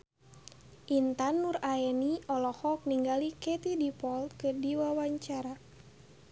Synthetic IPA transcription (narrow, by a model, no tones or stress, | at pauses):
ʔint̪anːuraɛniɔlɔhɔk̚niŋɡalikɛt̪idipɔlt̪̚kɨrdiwawaɲt͡ʃaɾa